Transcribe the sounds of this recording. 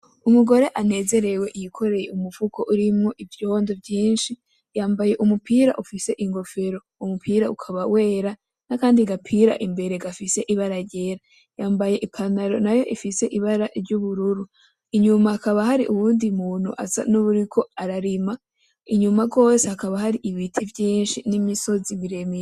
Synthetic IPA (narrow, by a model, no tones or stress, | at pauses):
umuɡo̞ɾe̞ʔane̞ːze̞ɾe̞we̞ʔjikʰo̞ɾe̞jeumufukʰoʔuɾimŋo̞ʔivjo̞nzovjiːnʃi | jaːmbaje̞ʔumupʰiːɾa̰ʔufise̞ʔiŋɡo̞fe̞ɾo̞ | umupʰiːɾaukʰaβawe̞ːɾa | nakaːndiɡapʰiɾa̰ʔimbe̞ɾe̞ɡafise̞ʔiβaɾaɟe̞ɾa | jaːmbaje̞ʔikʰanaɾo̞najo̞ʔifise̞ʔiβaɾaʔɾɟuβuɾuɾu | iɲumahakaβaɦaɾiʔuβuːndimuːn̥hṵʔa̰sa̰nuβuɾikʰo̞aɾaɾima | iɲumaɡo̞ːsehakaβahaɾiʔiβitʰivjiːnʃinimiso̞zimiɾe̞mej